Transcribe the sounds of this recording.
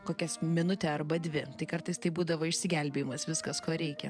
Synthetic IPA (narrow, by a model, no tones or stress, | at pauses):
koːkʲɛsmʲɪnʊt̪ʲɛɐɾbɐd̪ʲʋʲɪt̪ɐɪkɐɾt̪ɐɪst̪ɐɪbuːd̪ɐʋoːɪʃʲsʲɪɡʲɛlʲbʲeːjɪmɐsʋʲɪskɐskoːɾʲɛɪkʲɛ